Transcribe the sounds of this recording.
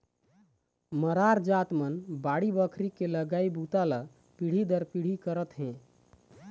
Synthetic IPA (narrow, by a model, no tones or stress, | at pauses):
məɾaɾd͡ʒat̪mənbaɽibəkʰɾikeləɡaibʱut̪alə | piɽ̤id̪əɾpiɽ̤ikəɾət̪ɦẽ